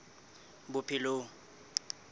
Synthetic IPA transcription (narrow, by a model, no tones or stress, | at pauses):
bʊpʰɪloŋ